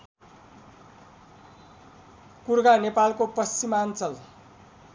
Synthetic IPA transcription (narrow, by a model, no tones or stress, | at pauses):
kurɡanepalkopʌst͡simant͡sʌl